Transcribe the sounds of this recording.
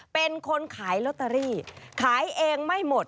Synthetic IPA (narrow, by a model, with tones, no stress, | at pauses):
pe˧nkʰo˧nkʰaː˩˦jlo˦˥t̪ːa˧ɾiː˥˩kʰaː˩˦jʔeː˧ŋma˥˩jmo˨˩t̪̚